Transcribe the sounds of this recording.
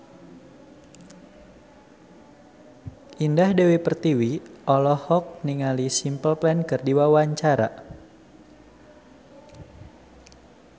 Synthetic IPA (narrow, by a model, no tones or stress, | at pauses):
ʔindahdewipərt̪iwiʔɔlɔhɔk̚niŋalisimpəlpɛnkərdiwawaɲt͡ʃaɾa̰